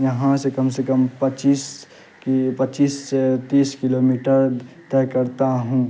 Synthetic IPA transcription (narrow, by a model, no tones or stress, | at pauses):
jɐɦãsekəmsekəmpət͡ʃiːs | pət͡ʃiːsːet̪iːskɪlomiʈəɾt̪ɛɦkəɾt̪aɦũ